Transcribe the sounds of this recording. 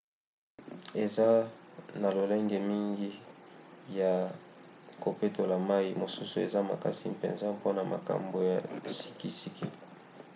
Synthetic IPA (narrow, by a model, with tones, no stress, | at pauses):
e˨za˦na˨lo˨le˦ŋɡe˨mi˦ŋɡi˦ | ja˨ | ko˨pe˦to˨la˨ma˦i˨mo˨su˦su˨ḛ˨za˦ma̰˨ka̰˨sḭ˦pɛ̰˨nza˦po˦na˨ma̰˨ka̰˨mbo˨ja˨si̥˦ki˦si˦ki˦